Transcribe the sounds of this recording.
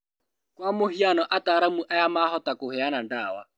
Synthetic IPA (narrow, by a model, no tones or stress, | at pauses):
kwamʊɦianɔʔataːɾamuʔajamaɦɔtakʊhɪanandaːwa̰